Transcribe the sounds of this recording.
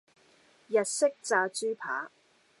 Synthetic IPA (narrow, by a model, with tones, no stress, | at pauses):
jɐ˨t̚sɪ˥k̚t͡saː˧t͡ʃyː˥pʰa̰ː˨˥